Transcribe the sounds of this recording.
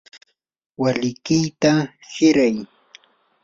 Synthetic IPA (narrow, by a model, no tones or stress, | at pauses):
walɪkɪjt̪ahɪɾaj